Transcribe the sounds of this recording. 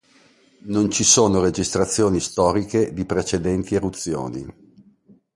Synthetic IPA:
nont͡ʃisoːnoɾed͡ʒist̪ɾat̪sːjoːnist̪ɔːɾiked̪ipɾet͡ʃed̪ɛnt̪ierut̪sːjo̰ːnḭ

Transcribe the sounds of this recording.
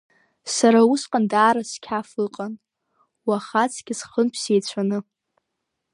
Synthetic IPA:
saɾausqʼandaːɾaskʲʰafɨqʼan | waχat͡sʰʼɡ̥ʲɪsχənpʰsejt͡ɕʷʰanɨ

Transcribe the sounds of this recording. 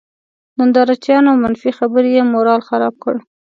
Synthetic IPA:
d̪ənd̪ɑɾat͡ʃjɑnoawmanfixabəɾjemoɾɑlxaɾɑb̚kə̰ɽ

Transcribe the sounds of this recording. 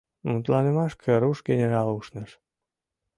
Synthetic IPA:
mut̪lɑnə̆mɑʃkʰə̆ɾuʃɡenʲeɾɑluʃnə̆ʃ

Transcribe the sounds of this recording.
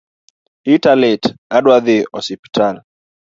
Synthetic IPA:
italɛtadwaðiʔɔsipi̥tʰana

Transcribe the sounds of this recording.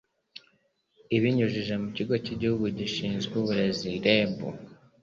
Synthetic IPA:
iβiɲuʒiʒe̞muciɡo̞ciɟihuɡuɟiʃiːnzɡuβuɾe̞ziɾe̞bṵ

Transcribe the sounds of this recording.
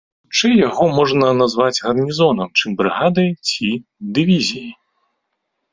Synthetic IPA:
t͡ʂɨjjaɣɔmɔʐnɐnazvad͡zʲɣɐrnʲizɔnɐmt͡ʂɨmbɾɨɣad̪ɐjt͡sʲid̪ɨvʲizʲijij

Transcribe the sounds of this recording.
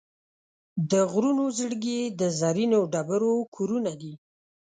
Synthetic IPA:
d̪əɣɾunozəɽɡed̪əzaɾinoɖabəɾokʰoɾunad̪i

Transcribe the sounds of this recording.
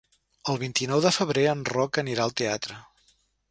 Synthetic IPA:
əlˠβint̪inɔwðəfəβ̞ɾeənrɔkəniɾaəlˠt̪eat̪ɾə

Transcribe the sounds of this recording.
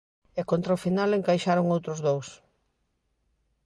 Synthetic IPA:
ekont̪ɾaʊfinaleŋkajʃaɾʊŋowt̪ɾʊzðows

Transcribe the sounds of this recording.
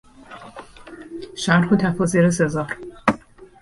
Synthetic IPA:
ʃæɾxot̪ʰæfɒːziɾesezɒːɾ

